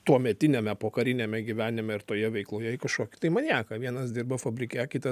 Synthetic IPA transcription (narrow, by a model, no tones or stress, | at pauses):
t̪uɔmʲɛt̪ʲɪnʲɛmʲɛpoːkɐɾʲɪnʲeːmʲɛɡʲɪʋʲæːnʲɪmʲɛɪrt̪oːjɛʋʲɛɪklˠoːjɛɪkɐʃkoɔkʲɪ̥t̪ɐɪmɐnʲæːkɐʋʲiɛnɐsd̪ʲɪrbɐfɐbʲɾʲɪkʲɛkʲɪt̪ɐ